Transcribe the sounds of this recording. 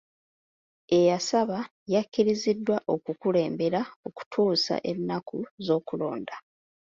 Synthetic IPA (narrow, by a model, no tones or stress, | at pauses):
e̞jasaβa | jakːiɾizidːwaʔo̞kukule̞ːmbe̞ɾaoku̥tʰuːsa̰ʔenːakuzo̞ːkulo̞̰ːnda